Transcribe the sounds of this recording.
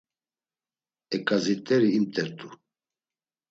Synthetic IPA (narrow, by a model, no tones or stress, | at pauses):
ɛkʼazit̪ʼɛɾiːmt̪ʼɛɾt̪ʼu